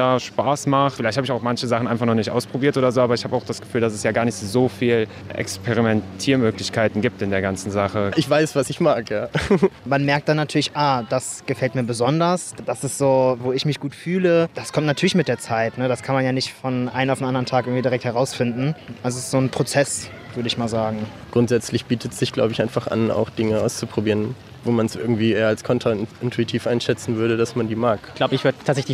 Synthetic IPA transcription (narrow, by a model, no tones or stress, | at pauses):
aːʃpaːsmaχtfɪlaɪçthabɪçaʊxmançəzaχn̩ʔaɪnfaχnɔχnɪçtʔa̰ʊspʁ̥obiːɐtʔoːdɐzoːaːbɐɪçhaːbəaʊxd̥asɡ̥ə̥fyːldasɛsjaːɡaːɐnɪçtzoːfiːl | ʔɛ̰kspʰeʁimɛntʰiːɐmøːklɪçkʰaɪtn̩ɡiːp̚tɪndeːɐɡant͡sn̩zaχəʔɪçv̥aɪsv̥asɪçmaːkjaːmanmɛɐk̚t̚d̥anːatʰyːɐlɪçʔaːd̥asɡ̥əfɛltmiːɐbəzɔndɐsd̥asɪstz̥oːvoːɪçmɪçɡ̥uːtfyːləd̥askʰɔmtnatʰyːɐlɪçmɪt̚d̥eːɐt͡saɪtnəɾaskʰanmanjaːnɪçtfɔnʔa̰ɪnənaʊfn̩ʔandɐʁəntʰaːkɪɐŋ̩tvidiʁɛk̚thɛʁaʊsfɪndn̩ʔalzosɪstz̥oːnpʁ̥ot͡sɛs | v̥ʏɐɾəɪçmaːlzaːɡŋ̩ | ɡ̥ʁʊntz̥ɛt͡slɪçb̥iːtʰətsz̥ɪçɡ̥la̰ʊbəɪçʔaɪnfaχʔa̰na̰ʊxd̥ɪŋəʔa̰ʊst͡supʁ̥obiːʁən | voːmansʔɪɐɡŋ̩tv̥iːʔeːɐalskʰɔntʰʁaɪntʰuitʰiːfʔaɪnʃɛt͡sn̩vʏɐɾədasmandiːmaːkɡ̥laʊbəɪçv̥ɪɐdtʰatsɛçl